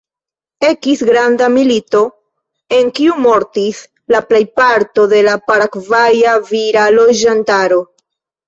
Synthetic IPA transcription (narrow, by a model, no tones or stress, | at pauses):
e̞kisɡɾandamilito̞ | e̞ŋkiumo̞ɾtis | laple̞jpaɾto̞de̞lapaɾakvajaviɾalo̞d͡ʒantaɾo̞